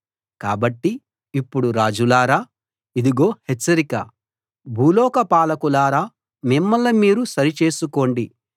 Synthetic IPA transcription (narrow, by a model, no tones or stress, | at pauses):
kaːbɐʈːi | ipːuɽuɾaːd͡ʒulaːɾaː | id̪iɡo̞ːhɛt͡ʃːɐɾikɐ | bʱuːlɔːkɐpaːlɐkulaːɾaː | mimːɐlːɐmiːɾusɐɾit͡ʃe̞ːsuko̞ːɳɖi